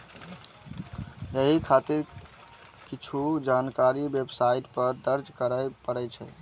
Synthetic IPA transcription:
jeɦikʰat̪iɾ | kit͡ʃʰud͡ʒankaɾibebsaiʈpəɾd̪əɾd͡ʒkəɾəjpəɾɛt͡ʃʰɛ̰

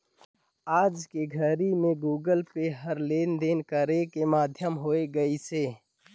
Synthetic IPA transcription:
aːd͡ʒkeɡʱəɾimẽɡuːɡəlpeɦəɾleːnd̪enkəɾekemaːd̪ʱjəmɦoːeɡəiseː

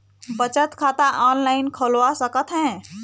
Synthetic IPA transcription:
bət͡ʃət̪kʰat̪aʔɔnlajnkʰəlwasəkət̪ɦɛ̃

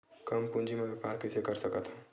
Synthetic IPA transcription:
kəmpund͡ʒimebepaːɾkɪsekəɾsəkət̪ɦũ

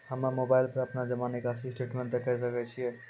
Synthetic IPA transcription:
hɐmmoːbaːɪlpɐɾɐpnad͡ʒɐmaːnekasisʈeːʈmẽɳt̪ɐkɐis̬ɐkɛt͡ʃʰiɛ

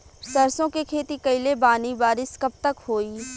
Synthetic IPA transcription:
sɐɾsõkekʰeːt̪ikɐɪlebaːnibaːɾɪskɐb̚t̪ɐkhoːiː

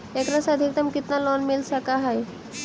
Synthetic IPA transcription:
ekɾasad̪ʱikt̪əmkit̪nalɔnmilsakaɦaj

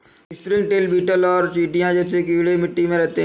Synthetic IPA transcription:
ɪspɾɪ̃ŋɡ̚ʈeːlbiːʈəlɔːɾt͡ʃiːʈijãd͡ʒɛːsekiːɽemɪʈːimẽɾɛɦt̪eɦ

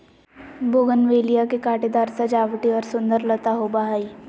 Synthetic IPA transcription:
boːɡənʋeːlijakekaːʈed̪aːɾsɐd͡ʒaːʋʈiɔːɾsʊ̃nd̪əɾlət̪aɦobaɦaːi

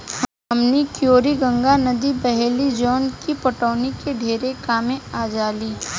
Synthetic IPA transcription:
h | ɐmnikjoːɾiɡə̃ŋɡanɐd̪ibɛɦɛlid͡ʒɔːnkipɐʈəːnikeɖʱeːɾekaːmẽaːd͡ʒaːliː

